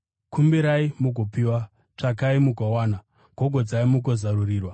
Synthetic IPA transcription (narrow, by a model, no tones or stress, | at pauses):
kʰumbiɾaimuɡopiwa | t͡ʂak̬aimukowaːna | ɡ̥ʱoɡʱod͡zaimukozaruriːrwa